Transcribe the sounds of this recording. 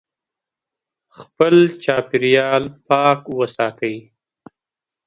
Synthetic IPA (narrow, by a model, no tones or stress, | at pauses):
xpəlt͡ʃɑːpɪɾijɑlpɑːkwəsɑt̪əj